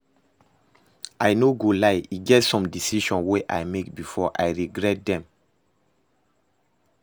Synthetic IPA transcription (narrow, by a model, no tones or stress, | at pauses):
ʔajnoɡolaɪiɡɛtsɔ̃mdisiʃɔ̃nweʔa̰jmek̚bifɔʔa̰jɹiɡɹɛt̚dɛ̃m